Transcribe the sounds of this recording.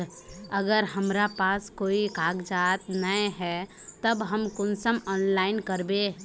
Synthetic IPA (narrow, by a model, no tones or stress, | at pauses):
əɡəɾɦəmɾapaːskoːikaːɡd͡ʒat̪nəeɦɛ | t̪əbɦəmkʊnsəmɔːnlaːɪnkəɾbe